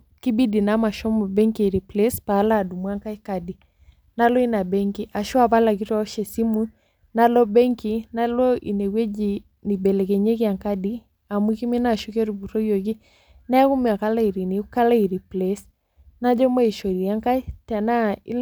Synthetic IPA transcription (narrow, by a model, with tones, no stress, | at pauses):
ki˦bi˦di˨na˦ma˨ʃɔ˦mɔ˨bɛ˦ŋki˨ɾi˨plɛ˦spaː˨˦la˦˨du˨mwa˦ŋka˦i˦ka˨di˨ | na˦lɔ˦i˦na˨bɛ˦ŋki˦ʔa˨ʃɔ˦a˦˨ba˦la˨ki˦twa˦ɔ˦ʃɛ˨si˦mu˦ | na˦lɔ˦bɛ˦ŋki˦na˦lɔ˦ḭ˨ne˨we˦d͡ʒi˨ | ni˨bɛ˨lɛ˨kɛ˨ɲe˦kɪ˦a˨ŋka˦di˦ | a˨mu˦ki˦mi˦na˦˨ʃu˦ke˦ɾu˨bu˨ɾɔ˦jo˨ki˦ | na˦ɛ˦ku˦mɛ˨a˨ka˦la˦i˨ɾi˨ni˨˦ka˦la˦i˨ɾi˨plɛ˨s | na˦d͡ʒɔ˦mɔ˦i˨ʃɔ˨ɾi˨a˦ŋka˦ta˨na˦ḭ˦l